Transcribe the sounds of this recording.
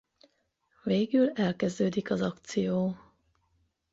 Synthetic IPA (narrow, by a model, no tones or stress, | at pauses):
veːɡylɛlkɛzd̪øːd̪ikɒzɒkt̪sijoː